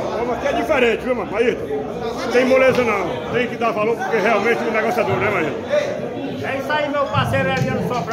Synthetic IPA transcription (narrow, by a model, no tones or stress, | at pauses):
võmɐkɪɛd͡ʒifɛɾẽt͡ʃɪviwmɐ̃mait̪ɐ | t̪ẽj̃molezõnɐ̃w̃ | t̪ẽj̃kɪd̪aɾvaloɾpoɾkeɦɛawmẽt͡ʃɪɛ̃nɛɡɔsiad̪oɾnɛmaiɾt̪ɐ | ɛisaimewpasejɾʊẽɐ̃viɐ̃nd̪ʊsɔpɾ